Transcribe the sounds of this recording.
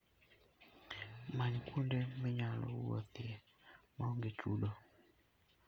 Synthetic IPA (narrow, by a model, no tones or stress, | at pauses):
maɲikʰundɛmiɲalɔ̰ṵɔ̰θiɛ | maŋɡɛt͡ʃṵɗɔ